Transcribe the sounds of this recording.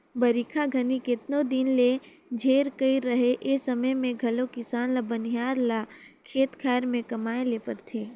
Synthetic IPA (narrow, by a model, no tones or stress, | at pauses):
bɐɾikʰaɡʱɐnikɪt̪nod̪inle | d͡ʒʱeːɾkəiɾɐɦeʔesɐməjmẽɡʱɐlokɪsaːnlabɐnijaːɾla | kʰeːt̪kʰɛːɾmẽkɐmaːeleːpəɾt̪ʰeː